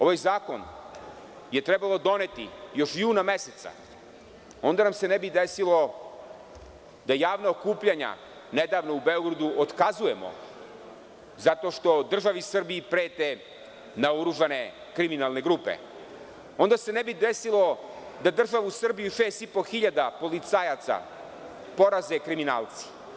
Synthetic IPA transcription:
o̞ʋajzaːkon | je̞t̪ɾɛbalˠo̞d̪o̞net̪ijo̞ʃjuːnameset̪sa̰ | o̞nd̪anamse̞nebid̪esilo̞ | d̪ajaːʋnaokuːpʎaɲa̰ | ned̪aːʋnoubeoɡɾad̪uʔot̪kazuje̞mo̰ | zat̪o̞ʃt̪o̞d̪r̩ʒaʋiusr̩biːpɾeːt̪e | naoɾuʒane̞ | kɾiminalˠne̞ɡɾuːpḛ | o̞nd̪ase̞nebid̪esilo̞d̪ad̪r̩ʒaʋuusr̩bijuʃeːst̪ipo̞xiʎad̪apo̞lit̪sajat̪sa̰ | po̞ɾaze̞kɾimina̰ːlˠt̪si̥

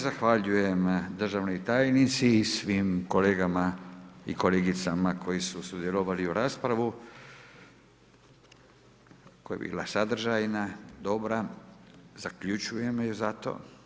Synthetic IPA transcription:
zaxʋaʎuje̞md̪r̩ʒaʋnot̪aːjnit̪siːsʋimko̞leːɡamaḭko̞leːɡit̪samakʰo̞jisusud̪jeloʋaliuɾaːspɾaʋu | kojebḭːlasad̪r̩ʒajnad̪o̞bɾa | zakʎut͡ʃuje̞mjuzat̪o̰ː

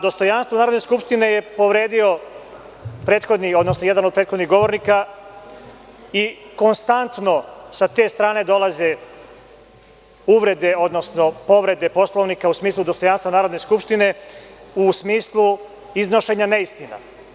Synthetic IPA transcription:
d̪o̞st̪o̞janst̪ʋonaːɾod̪neskupʃt̪ine̞je̞po̞ʋɾe̞ːd̪io̞ | pɾeːt̪xo̞d̪nio̞d̪nosnojɛd̪anod̪pɾet̪xod̪niɣɡo̞ʋo̞ɾnika | iko̞nst̪ant̪no̞sat̪e̞ːst̪ɾaːne̞d̪o̞laze̞ | uʋɾe̞d̪e̞o̞d̪no̞sno̞po̞ʋɾe̞d̪e̞po̞slˠoʋnikausmiːslˠud̪o̞st̪o̞janst̪ʋanaːɾo̞d̪ne̞skupʂt̪ine̞usmiːslˠu | izno̞ʃe̞ɲaneist̪ina̰

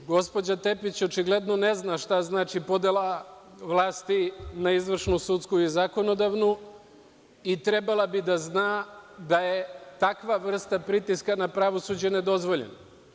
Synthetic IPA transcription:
ɡo̞spo̞d͡ʑat̪e̞pit͡ɕo̞t͡ʃiɡle̞d̪no̞ne̞znaʃt̪aznaːt͡ʃipo̞d̪elˠa | ʋlˠaːst̪inaizʋr̩ʃnusut̪skuizako̞no̞d̪aʋnu | it̪ɾe̞balˠabid̪aznaːd̪ajet̪akʋaʋr̩st̪apɾit̪iskanapɾaʋo̞suːd͡ʑened̪o̞zʋo̞ʎḛn

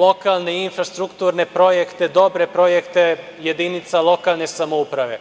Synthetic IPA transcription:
lo̞kaːlˠneinfɾast̪ɾukt̪uːɾne̞pɾo̞jekt̪ed̪o̞bɾe̞pɾo̞jekt̪e | je̞d̪init̪salˠo̞kaːlˠne̞samoupɾaʋe̞̰

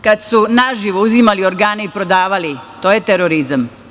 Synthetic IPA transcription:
kad̪sunaʒiʋouzimalio̞ɾɡaːne̞ipɾo̞d̪aːʋalit̪o̞ːjet̪eɾoɾizam

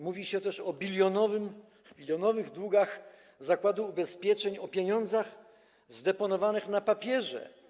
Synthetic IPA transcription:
muvʲiɕɛt̪ɛʂɔbʲilʲjɔnɔvɘm | bʲilʲjɔnɔvɘɣd̪wuɡax | zakwad̪uːbɛspʲjɛt͡ʂɛɲɔpʲjeɲɔ̃nd̪zax | zd̪ɛpɔnɔvanɘxnapapʲjɛʐɛ̰

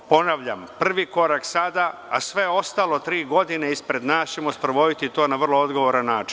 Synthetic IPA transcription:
po̞naʋʎampr̩ʋiko̞ɾaksad̪aasʋe̞o̞st̪alo̞t̪ɾiːɡo̞d̪ineispɾe̞d̪naːst͡ɕemospɾoʋo̞d̪it̪it̪o̞ːnaʋr̩lˠoo̞d̪ɡo̞ʋoɾanːaːt͡ʃi̥n

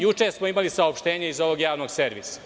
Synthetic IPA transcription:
jut͡ʃeɾsmoimalisaopʃt̪e̞ːɲeizo̞ʋo̞ɡjaːʋno̞ɡse̞ɾʋḭsḁ

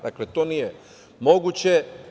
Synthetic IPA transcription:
d̪aklet̪onije | mo̞ɡut͡ɕe

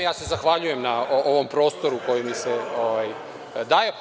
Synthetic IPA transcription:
jaːse̞zaxʋaʎuje̞mnaoʔoʋo̞mpɾo̞ːst̪o̞ɾuko̞jimiseoʋaj | d̪aːjep

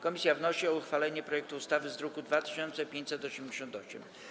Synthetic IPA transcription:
kɔmʲisʲjavnɔɕiɔuxfalɛɲɛpɾɔjɛk̚t̪uust̪avɘzɾɔkud̪vat̪ɘ̥ɕɔnt̪sɛpʲjeɲt͡ɕʲsɛt̪ɔɕɛmd͡ʑeɕɔ̃nt̪ɔɕɛ̰m

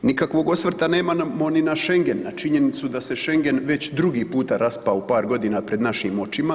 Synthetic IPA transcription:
nikakʋo̞ɡo̞sʋr̩t̪ane̞ːmamo̞ninaʃe̞ŋɡe̞nːat͡ʃiɲe̞nit̪sud̪ase̞ʃe̞ŋɡe̞nʋe̞t͡ɕd̪ɾuɡiːpuːt̪aɾaspaupaːɾɡo̞d̪iːnapɾe̞d̪naʃimo̞t͡ɕima

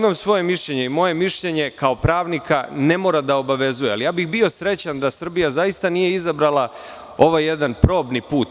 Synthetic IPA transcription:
imamsʋo̞je̞miʃʎe̞ɲe̞imo̞je̞miʃʎe̞ɲe̞kao̞pɾaːʋnikʰane̞mo̞ːɾad̪ao̞baʋe̞zujealijaːbixbio̞sɾe̞t͡ɕand̪asr̩bijazajist̪anije̞izabɾalˠa | o̞ʋajːe̞d̪anpɾo̞ːbnipuːt̪

